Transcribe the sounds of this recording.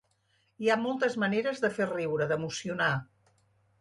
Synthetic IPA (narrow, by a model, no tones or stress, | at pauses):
iamɔlˠt̪əzməneɾəzðəferiwɾəðəmusiuna